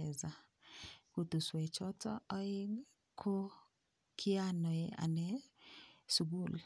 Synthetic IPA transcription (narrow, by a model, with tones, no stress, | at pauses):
ɛ˨za˨ | ku˨t̪u˨swɛ˨t͡ʃɔ˦tɔ˦ɔ˦ɪ˦ | kʰo˦ | kʰɪ˦a˦nɔ˨e˦a̰˨nɛ˦ | su˨ɡu˦˨l